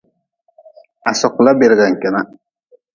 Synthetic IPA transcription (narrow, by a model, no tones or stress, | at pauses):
asoqlabeɾɡaŋkʲɪna